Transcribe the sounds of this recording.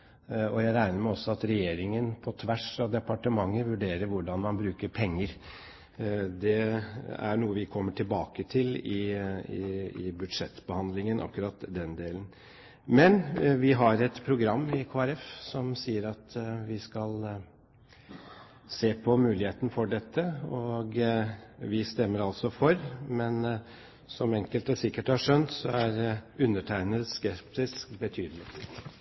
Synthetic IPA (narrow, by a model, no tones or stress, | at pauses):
ɔjæɪɾæɪnəɾmæɔsːɔɑt̪ɾɛjeːɾɪŋənpʰɔt̪ʰʋæʂɑʋd̪ɛpɑʈəmɑŋːəʋʉɖeːɾəɾʋʊɖɑnmɑnbɾʉːkəɾpʰɛŋːəɾ | d̪ɛæ̰ɳuːəʋɪkʰɔmːəʈʰɪlbɑːkət̪ʰɪlɪɪɪbʉd̪ʂɛt̪ːbəhɑnd̪lɪŋənʔɑ̰kːʉɾɑt̪d̪ɛnd̪eːlən | mɛnʋɪɦɑɾɛt̪pʰɾʊɡɾɑmːɪkʰoːæɾɛfsɔmsiːəɾɑt̪ʋɪskɑl | seːpʰɔmʉːlɪheːt̪ənəfɔɖɛt̪ʰːəɔɡ | ʋɪst̪ɛmːəɾɑlsɔfɔɾmɛn | sɔmɛŋkəlt̪d̪ɛsɪkːəʈhɑʂœnt̪sɔæɾʉnːəʈʰæɪnəskɛpt̪ɪskbət̪ʰyːd̪lɪt̪